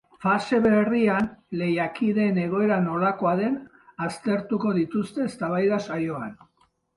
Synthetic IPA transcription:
fase̞βe̞rianle̞jakiðe̞ne̞ɣ̞o̞e̞ɾano̞lako̞aðe̞n | ast̪e̞ɾt̪uko̞ðit̪ust̪e̞ːst̪aβajðasajo̞an

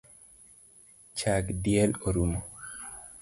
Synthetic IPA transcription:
t͡ʃaɡdiɛloɾumo

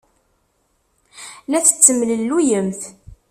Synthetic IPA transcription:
læθə̥t͡sːəmləlːujəmθ

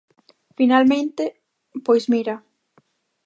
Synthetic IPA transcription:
finalmẽnt̪ɪ | pojsmiɾa

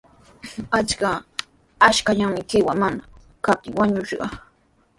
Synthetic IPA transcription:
at͡ʃka | aʃkaʎaŋmɪkɪwaŋmana | kap̚t̪ɪŋwaɲʊʃɢɑ̰

